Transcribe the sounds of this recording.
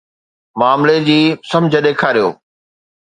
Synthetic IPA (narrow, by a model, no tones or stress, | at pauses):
maːmled͡ʑiːsɐ̃md͡ʑʱə̆ɗeːkʰaːɾijo̰ː